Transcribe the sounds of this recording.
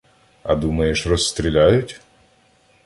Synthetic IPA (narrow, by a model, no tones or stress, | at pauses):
ɐ̰d̪umɐjeʃrɔsːt̪ɾʲilʲajʊtʲ